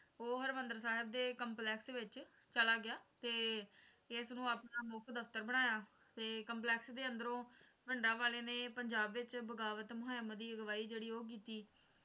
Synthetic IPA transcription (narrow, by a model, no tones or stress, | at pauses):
oːɦəɾʋənd̪əɾsaːɦɪb̚d̪eːkəmplɛːksʋɪt͡ʃ | t͡ʃəlaːɡɪjaːt̪eː | ɪsnũːaːpɳaːmʊkʰd̪əfʰt̪əɾbəɽ̃aːjaː | t̪eːkəmplɛːksd̪eːənd̪əɾõː | bɪɳɖãːʋaːleːneːpəɲd͡ʒaːbʋɪt͡ʃbəɡaːʋət̪mʊɦaːmd̪iːɡəʋaːiːd͡ʒeːɽiːoːk̬iːt̪iː